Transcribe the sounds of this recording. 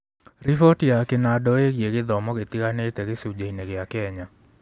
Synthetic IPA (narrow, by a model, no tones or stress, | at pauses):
ɾifɔtjakɪnadɔeɡjeɡɪd̪ɔmɔɣet̪iɣanet̪eɣɪsud͡ʒeineɣɪakɛɲa